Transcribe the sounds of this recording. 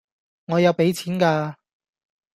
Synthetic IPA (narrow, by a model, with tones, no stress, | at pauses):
ŋɔː˨˧jɐ˨˧wpe˨˥jt͡sʰiː˨˥nkaː˧